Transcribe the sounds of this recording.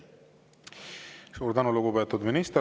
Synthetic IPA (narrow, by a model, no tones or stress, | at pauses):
suːɾd̪ɑnuluɡupet̪ːud̪minist̪e